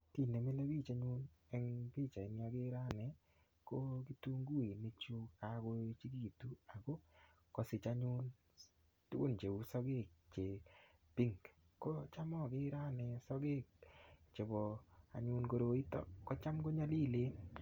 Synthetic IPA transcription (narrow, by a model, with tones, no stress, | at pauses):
ti˦˨ne˨me˦le˦bi˦˨t͡ʃa˨ɲʊ˦nɛ˦ŋpi˦t͡ʃa˨ɪ˨nja˦ɡɪ˦ɾa˦˨nɛ˨ | ko˦ki˦tu˦ŋɡu˦e˨ne˦t͡ʃu˦a˨˦ɡo˦t͡ʃi˦ɡi˦˨tu˦a˨ɡo˦ | kɔ˨sɪ˨t͡ʃa˦ɲʊ˦n | tṵ˦ɡo˦nd͡ʒe˨u˦sɔ˦ɡe˦˨k̚t͡ʃe˨pi˦ŋk | ko˦t͡ʃa˦mɔ˦˨ɡɪ˦ɾa˦nɛ˨sɔ˦ɡe˦˨k̚t͡ʃe˨bɔ˨a̰˨ɲʊ˦nɡo˦ɾo˨i˦tɔ̰˨kːɔ˦t͡ʃa˦mɡo˦ɲa˦li˦˨le˦